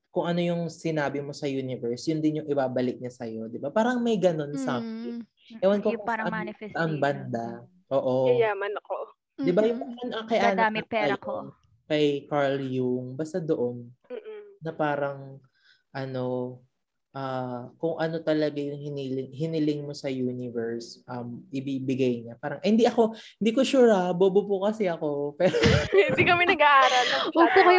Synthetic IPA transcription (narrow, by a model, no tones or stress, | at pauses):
kʊŋʔɐno̞jʊŋsɪnaːbɪmo̞sɐjuːnɪvɛɹsjʊnd̪ɪnjʊŋɪbaːbɐlɪk̚ɲɐsɐjo̞d̪ɪbapaːɾɐŋmɐjɡɐno̞nsaːm | ʔɛwɐnkokʔaɐʔanbɐnd̪a | ʔoːʔojamɐnɐko | d̪ɪbajʊŋɐʔɐnʔɐkɐjʔaːnɐamɪpːɐjɐ | kɐjkaɹljuŋbaːst̪ɐd̪o̞ʔo̞n̩ː | ɐpaːɾɐŋ | ʔɐno̞ | ʔaːkʊŋʔɐno̞t̪ɐlɐɡajʊŋhɪniːlɪŋɦɪnɪlɪŋmo̞sɐjuːnɪvɛɹsʔɐmʔɪbibɪɡɐjɲapaːɾɐŋhɪnd̪iʔɐko̞hɪnd̪iːkoʃuːɾɐbobobʊkɐsɛɐko̞pɛːɾoɪd̪ikɐmɛnɐɡaʔaːɾɐlnɐwɐɡpokɐj